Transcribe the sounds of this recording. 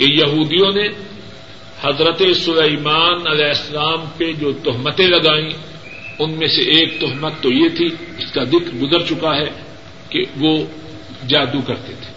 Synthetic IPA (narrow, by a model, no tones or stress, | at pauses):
kejɐɦuːd̪ijõne | hɐzɾət̪esʊleimaːnɐlɛːɪsːɐlaːmped͡ʒoːt̪ʊɦmət̪ẽlɐɡaːĩ | ʊnmẽseʔeːk̚t̪ʊɦmət̪ːojet̪ʰiɪskazɪkɾɡʊzəɾt͡ʃʊkaɦɛ | keʋo | d͡ʒaːd̪ukɐɾt̪et̪ʰe̥ː